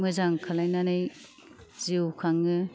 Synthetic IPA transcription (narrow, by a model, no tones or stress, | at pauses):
mɯzaŋkʰalajnanɯj | z̥iwkʰaŋɯ